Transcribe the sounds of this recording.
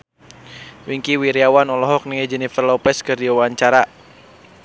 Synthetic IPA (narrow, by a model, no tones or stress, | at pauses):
wiŋkiwiɾiawanɔlɔɦɔk̚niŋed͡ʒɛnifərlɔpɛskərdiwawaɲt͡ʃaɾa